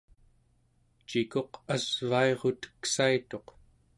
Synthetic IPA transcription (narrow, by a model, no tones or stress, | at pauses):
t͡ʃiko̞qazvaeʁo̞t̪ə̥ksait̪o̞q